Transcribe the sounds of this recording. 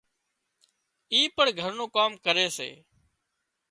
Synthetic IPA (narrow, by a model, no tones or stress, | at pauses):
iːpəɳɡʱəɾnũːkaːmkəɾeːsḛː